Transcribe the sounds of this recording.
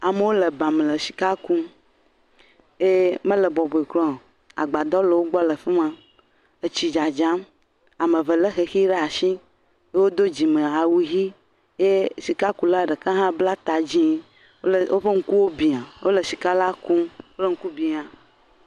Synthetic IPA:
a˨me˦wo˦lə˨ba˨m˨lə˨si̥˨ka˦ku˦ | je˦mə̃˦lə˨bɔ˨bɔ˨i˨klɔ˦˨ | a̰˨ɡ͡ba˨d̪ɔ˦lə˨wo˦ɡ͡bɔ˦lə˨fi˦m˦ã˦ | e˨t͡ɕi˨d͡ʒa˨d͡ʒã˦m | a˨mə˨və˨lə˦xe˨xi˦ɖe˦a˨ʃĩ˦ | je˦wo˦d̪o˦d͡ʑi˨mə̃˨a˨wu˦ɦi˦ | je˦si˨ka˦ku˦la˦˨ɖə˨kã˦ɦã˦bla˦t̪a˨d͡ʑĩ˦˨ | ʔo˦ɸe˦ŋ̩˦ku˦wo˦bi˨ã˨wo˦lə˨si˨ka˦la˦ku˦wo˦lə˦ŋ̩˦ku˦bi˨ã˨

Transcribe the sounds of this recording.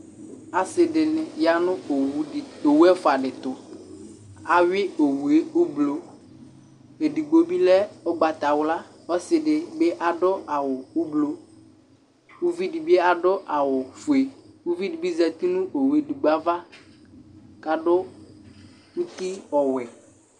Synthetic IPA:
a˨sɪ˨dɪ˨nɪ˨ja˨nʊ̃˦o˨˦˨o˨wu˦ɛ˦fʊ˨a˨ɖɪ˨t̪ʊ˨ | a˨ɥɪ˦o˨wu˨e˦ʊ˦blo˨ | e˨di˨ɡ͡bo˦bi˦lɛ˦ɔ˦ɡ͡ba˨t̪a˨wla˦ | ɔ˦sɪ˨ɖɪ˨be˦ʔa˨ɖʊ˦ʔa˨wʊ˨ʊ˦blo˦ | wu˦vi˦di˨bi˦e˦a˨ɖʊ˦ʔa˨wʊ˨fʊ˨e˨wu˦vi˦di˨bi˦zɛ˨t̪i˦nʊ̃˦ʔo˨wu˨˦e˦du˨ɡ͡ba˦va˦ | ka˨ɖʊ˦ | ŋũ˦t̪i˦ɔ˨wɛ˨

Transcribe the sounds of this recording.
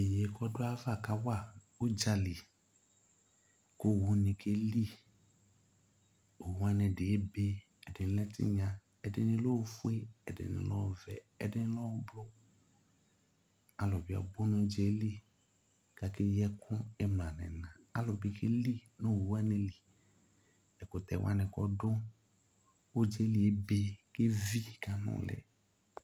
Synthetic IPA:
e˨je˨kɔ˦dʊ˦a˦va˦˨ka˦wa˦˨ | o˦d͡ʒa˧li˨ | ko˦˨wu˧nĩ˧kʰe˦li˦ | o˨wa˦nɛ̃˧˨de˨e˦be˧ | ɛ˨dɪ˨n˦lɛ˦tḭ˦ɲã˧ | ɛ˨dɪ˦nɪ̃˧lo˦˧˦fu˦e˦ɛ˨dɪ̰˨nḭ̃˨lɔ̰˦˨vɛ̰˨ | ɛ̰˨dɪ˦n˦lɔ˦blɔ˦ | a˨lɔ˨bi˦a̰˨bo˦n˦d͡ʒɛ˨˦li˦ | ka˨ke˦jɛ˦kʰʊ̃˦e˦mlã˨nɛ̰̃˨nã˨a˦lɔ˨bi˦ke˦li˦nõ˦˨wu˨wa˦ne˨li˨ | ɛ˨ko˨t̪ɛ̰˨w̰a̰˦nɛ̃˨kɔ̰˦dʊ˦ | wo˦d͡ʒe˦li˨e˦be˨ke˦vi˦ka˦nɔ̰̃˦lɛ̰˨

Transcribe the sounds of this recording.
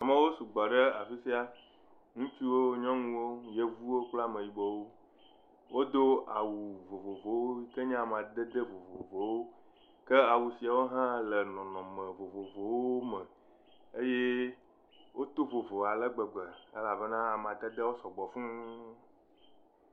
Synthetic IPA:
a˨mẽ˦wo˦su˨ɡ͡bɔ˨ɖə˦a˨fi˦si˦a˦ | ŋũ˦t͡ʃi˦wo˦ɲɔ̃˦ŋũ˦wo˦je˦vu˦wo˦k͡pla˦mə̃˨ji˨bɔ˦wo˦ | wo˦d̪o˦a˨wu˨vo˨vo˨vo˨wo˦i˦ke˦ɲã˦˨m˨a˨d̪ɛ˦d̪e˦vo˨vo˨vo˨wo˦ | kɛ˦a˨wu˨si˨a˨wo˦ɦã˦lɛ˨nɔ̃˨nɔ̃˨mɛ̃˨vo˨vo˨vo˨wwoo˦mɛ̃˨ | e˦je˦ | wʔo˦t̪o˦vo˨vo˨a˨lɛ˦ɡ͡bɛ˨ɡ͡bɛ˨e˦la˨bɛ˦nã˦a˨m˨a˨t̪ɛ˦d̪e˦wo˦sɔ˨ɡ͡bɔ˨fũ˦

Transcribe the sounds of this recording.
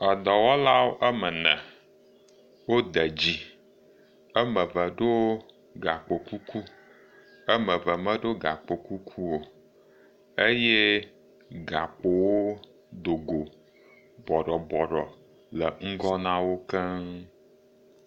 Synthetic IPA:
ə˨d̪ɔ˨wɔ˦la˦wo˦ʔə˦mə˨nə̰̃˨ | wo˦d̪ə˨d͡ʑi˦ | ə˦mə̃˨və˨ɖo˦ | ɡa˨k͡po˨ku˦ku˦ | ə˦mə̃˨və˨mə̃˦ɖo˦ɡa˨k͡po˨ku˦kʰu˦wo˨ | e˦je˦ | ɡa˨k͡po˨wo˦ | d̪o˨ɡo˨ | bɔ˨ɖɔ˨bɔ˨ɖɔ̰˨ | lə˨ŋ̩˦ɡɔ˦nã˦wo˦kɛ˦

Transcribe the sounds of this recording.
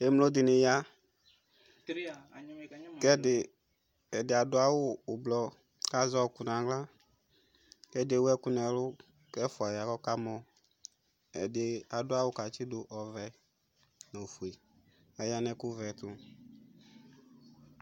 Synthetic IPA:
e˨˦mlo˦d̪ɪ˨nɪ˨ja˦ | kɛ˦ɪ˨ | ɛ˨dɪ˨a˨dʊ˦a˦wʊː˦˨blɔ˧ | ka˨zɔ˦˨kʊ˨nã˨ɡla˦ | kɛ˦de˨wɛ˦kʊ˦nɛ˨lʊ˦ | kɛ˦fa˨ja˨kɔ˦ka˦mɔ˨ | ɛ˨dɪ˨a˨dʊ˦a˦wʊ˦ka˨t͡ʃɪ˦dʊ˨ʔɔ˨vɛ˨ | no˨fu˨e˨ | ɛ˨ja˦nɛ˧kʊ˦vɛ˨t̪ʊ˨

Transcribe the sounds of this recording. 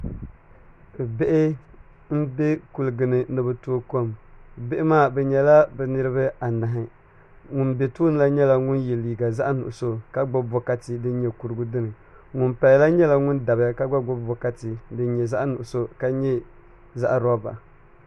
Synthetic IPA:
be˦ʔɪ˦ | m̩˦bɛ˦ku˨lɨ˨ɡɨ˨nɨ˨nɨ˨bɨ˨toː˦ko˦˨m˨be˦ʔɪ˦maː˦˨bɛ˨ɲɛ˨la˦bɛ˨nɨ˦ɾɨ˦bɨ˦a˨na˨ɦɪ˨ | ŋʊ˨nbɛ˨tuː˦nɨ˦la˦ɲɛ˦la˦ŋʊ˦njɛ˨liː˨ɡa˨za˦ʔnʊ̰˨ʔʊ˨so˦ka˦ɡ͡bɔ˦bɔ˦ka˦tɪ˨dɨ˦n˦ɲɛ˨ku˨ɾɨ˦ɡu˦dɨ˦nɨ˨ | ŋʊ˨npa˨lla˦ɲɛ˦la˨ŋʊ˦nda˨bɪ˦a˦ka˦ɡ͡ba˦ɡ͡bɔ˦bɔ˨ka˦tɪ˨dɨ˦n˦ɲɛ˨za˦ʔnʊ˨ʔʊ˨so˦ka˦ɲɛ˦ | za˦ʔɾɔ˦ba̰˨

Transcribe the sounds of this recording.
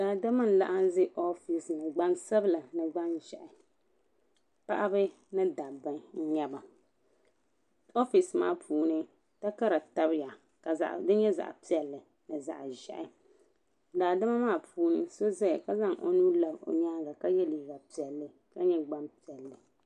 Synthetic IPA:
daː˨da˦ma˦n̩˦la̰˦ʔa˦n˦zɪ˦ʔo˦fi˨snɨ˨ɡ͡ba˦nsa˦bla˨nɨ˨ɡ͡ba˦nʒɛ̰˨ʔɪ˨ | pa̰˦ʔa˦bɨ˦ | nɨ˦da˨bɨ˨ŋn̩˦ɲa˦ba˨ | o˦fi˨sma̰ː˦˨pʰuː˨˦nɨ˦ | ta˦ka˦ɾa˨ta˦bja˨ | ka˨za̰˨ʔdɨ˦ɲɛ˦za̰˨ʔpi˦ɛ˨lːɨ˨ | nɨ˨za̰˨ʔʒɛ̰˨ʔɪ˨ | daː˨da˦ma˦maː˦˨pʰuː˦nɨ˦so˦za˦˨ka˦za˦ŋʔo̰˦nuː˦la˨bo̰˨ɲaː˦ɡa˨ka˦jɛ˦liː˨ɡa˨pi˨ɛ˨lːɨ˨ | ka˦ɲɛ˦ɡ͡ba˦npi˨ɛ˨lːɨ˨

